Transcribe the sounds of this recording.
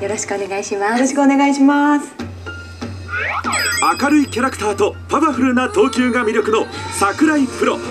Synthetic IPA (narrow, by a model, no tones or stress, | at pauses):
jo̞ɾo̞ɕi̥kɯone̞ɡaiɕimaoɕi̥kɯone̞ɡaiɕimasɨ̥ | akaɾɯ̟ikʲaɾakɯ̥t̪aːt̪o̞paβaɸɯ̟ɾɯ̟nat̪o̞ːkʲɨːɡamʲiɾʲjo̞kɯ̟no̞sakɯ̟ɾaipɯ̟ɾo̞̰